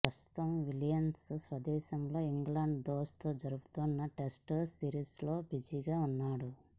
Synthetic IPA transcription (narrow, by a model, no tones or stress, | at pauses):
pɾɐst̪u̥t̪ɐmʋiljɐmssʋɐd̪ɛːʃɐmlo̞ːiŋɡlaːɳɖd̪oːst̪oːd͡ʒɐɾuɡut̪uːnːɐʈesʈsiːɾiːslo̞ːbid͡ʒiɡaːunːaːɽu